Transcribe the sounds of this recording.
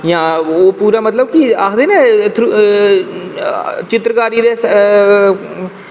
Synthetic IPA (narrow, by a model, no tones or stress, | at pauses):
jãːoːpuːɾaːmət̪ləb̚kiaːkʰd̪eːneːt̪ʰɾu | t͡ʃɪt̪ɾəkaːɾiːd̪eːs